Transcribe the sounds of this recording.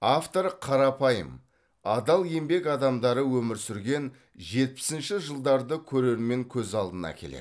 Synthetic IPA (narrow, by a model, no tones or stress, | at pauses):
aft̪o̞ɾqʰɑɾɑpʰɑjə̰m | ɑd̪ɑlˠje̞mbe̞kɑd̪ɑmd̪ɑɾəwɵmɪɾsʏɾɡʲe̞n | ʒe̞t̪̚pɪ̥sɪnʃɪʒəlˠd̪ɑɾd̪əkʲʰɵɾe̞ɾme̞ŋkʲʰɵzɑlˠd̪ənɑ̰kʲʰe̞̰lḛd̪